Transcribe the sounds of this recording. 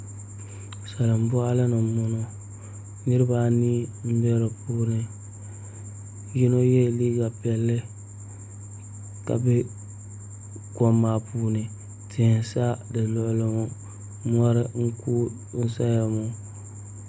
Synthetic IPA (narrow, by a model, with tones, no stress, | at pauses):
sa˨lɨ˨m̩˨˦bʊ˦a˦lɨ˦nɨ˨mːʊ˨no˨ | ni˦ɾɨ˦ba˨niː˦m̩˦bɛ˦ɾɨ˨puː˦nɨ˨ | ji˦no˦jɛ˦˨liː˦ɡa˨pɛ˨lːɪ˦ | ka̰˨bɛ˦ | kɔ˦mːa˨puː˦nɨ˨ | tɪ˨hɪ˨sa˦dɨ˨lʊ˨ʔlɨ˨ŋo˨ | m˦ɔ˦ɾɨ˦ŋ̩˦ku˦ | n̩˦sa˦ja˨mo˨